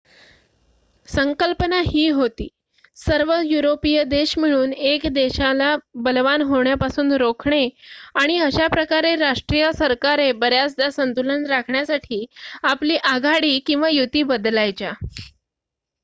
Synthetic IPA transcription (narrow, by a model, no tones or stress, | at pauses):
səŋkəlpənaɦiːɦot̪iː | səɾʋəjuɾopijəd̪eɕm̤iɭ̃uːnekd̪eɕalabəlʋanɦoɳjapasuːnɾokʰɳeaɽ̃iəɕapɾəkaɾeɾaʂʈɾijəsəɾkaɾebəɾjasd̪asənt̪ulənɾakʰɳjasaʈʰiːapliːʔaɡʱaɽiːkĩw̃ʋajut̪iːbəd̪lajt͡ɕa